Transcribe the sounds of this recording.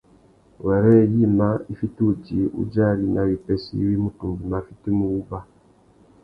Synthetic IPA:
wɛ˨ɾɛ˦˨ji˦ma˦i˦fi˦tu˦˨d͡ʒi˨˦ṵ˦d͡ʒa˦˨li˦na˨wi˨pɛ˨sḭ˦wi˦mu˨tu˨mbi˨ma˨fi˦ti˦mu˨u˦ba˦

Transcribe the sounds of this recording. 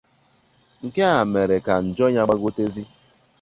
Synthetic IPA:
ŋ̩˨ke˦a˨me˨ɾe˨ka˨n̩˨d͡ʒɔ˦ɲa˦ɡ͡ba˦ɡo˦te˦zi˦

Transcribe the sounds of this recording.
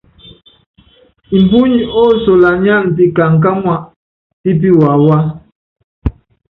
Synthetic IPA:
i˨m̩˨pu˦ɲi˨ɔ˦so˨la˨ɲa˦˨n̩˨ti˦ka˨ŋ̩˨k̬a˦mwa˨ʔ | ti˦p̬i˦wa˨wa˦

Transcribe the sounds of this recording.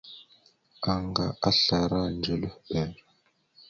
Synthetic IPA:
a˨ŋɡa˨a˦ɬa˨ɾa˦nd͡ʒə˨lə˦hɓɛ˨ɾ

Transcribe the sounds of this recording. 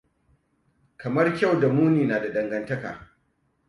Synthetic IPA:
kɐ˨mɐ˦rkʲa˦˨wda˨muː˦niː˨naː˨da˨ɗɐ˦ŋɡɐ˦ntɐ˦ka̰ː˨

